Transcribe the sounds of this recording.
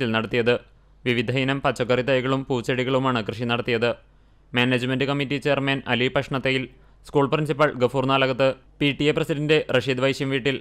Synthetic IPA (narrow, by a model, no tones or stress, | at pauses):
ilnɐɽɐt̪ːijɐðɨ | ʋiʋid̪ʱɐinɐmpɐt͡ɕːɐkːɐrit̪ɐjɣɐɭumpuːt͡ɕːɐɽiɣɐɭumaːɳɨkrɨʂinɐɽɐt̪ːijɐðɨ | meːned͡ʑmendɨkɐmitːit͡ɕe̞jɐrmɐnɐlipɐʂɳɐt̪ːejil | skuːɭprinsipːɐɭɡɐfuːrnaːlɐɣɐt̪ːɨ | piʈːijeprɐsidɐndde̞reʂid̪ʋɐjɕjɐmʋiːʈːil